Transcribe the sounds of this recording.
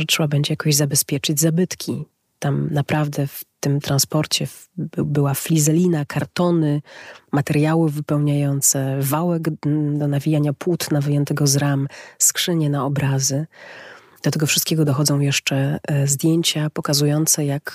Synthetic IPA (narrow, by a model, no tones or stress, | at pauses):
ʐɛtʂɛbabɛɲd͡ʑɛjakɔʑzabɛspʲjɛt͡ʂɘd͡ʑzabɘt̪kʲi | t̪amnapɾavd̪ɛft̪ɘmt̪ɾanspɔɾt͡ɕɛ | bbɘwaflʲizɛlʲinakʰaɾt̪ɔnɘmat̪ɛɾjawɘvɘpɛwɲajɔnt̪sɛvawɛɡd̪ɔnavʲijaɲapwut̪navɨjɛnt̪ɛɡɔzɾamskʂɘɲɛnaɔbɾazɘ | d̪̥ɔt̪ɛɡɔfʂɨ̥st̪kʲɛɡɔd̪ɔxɔd̪zɔ̃w̃jɛʂt͡ʂɛzd̪ʲjeɲt͡ɕapɔkazujɔnt̪sɛjak